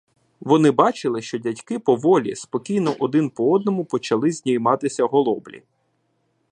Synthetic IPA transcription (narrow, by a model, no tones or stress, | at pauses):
ʋɔnɪbɑt͡ʃɪlˠɪʃt͡ʃɔdʲɐtʲkɪpɔʋɔlʲḭspɔkʲijnɔʔɔd̪ɪnpɔɔd̪̚nɔmʊpɔt͡ʃɐlˠɪzʲnʲijmɑt̪ɪsʲɐɦɔlˠɔblʲḭ